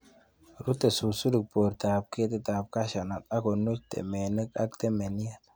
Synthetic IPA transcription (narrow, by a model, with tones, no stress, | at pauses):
ɾu˦t̪e˨su˨su˦lu˨k̚bo˨ɾt̪a˨b̚ke˦t̪e˦t̪a˨p̚ka˦ʃa˨na˨t̪a˦ko˨nu˦kt̪ḛ˨me˨nə˦ka˦kt̪e˦me˨ni˦ja˦t